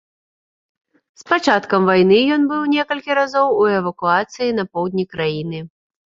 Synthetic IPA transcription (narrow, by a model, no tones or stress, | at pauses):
spat͡ʂat̪kɐmvajnɨjɔnbɨwnʲɛkɐlʲkʲiɾazɔwuɛvɐkuat̪sɨjinɐpɔwd̪ʲnʲikɾajin̪ɨ